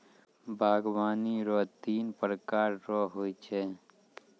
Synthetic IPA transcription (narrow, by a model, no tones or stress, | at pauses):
bʱaːɡwaːniɾɔt̪iːnpɾəkaːɾɾɔɦoːit͡ʃʰɛ